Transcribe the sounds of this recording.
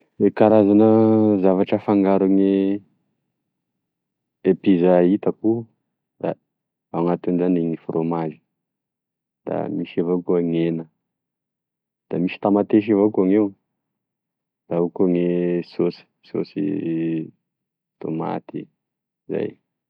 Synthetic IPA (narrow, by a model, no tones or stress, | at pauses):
ekaɾazanəzavaʈ͡ʂəfaŋɡaɾuŋe | epizait̪əku | d̪a̰ | aŋat̪unzaniŋifromaʒi̥ | d̪̥a̰miʃevokuaŋenə | d̪̥amiʃi̥t̪amat̪eʃ̬ivokuaŋew | d̪̥aukaŋesosi̥so̰sḭ | t̪o̰ma̰t̪ḭ | za̰j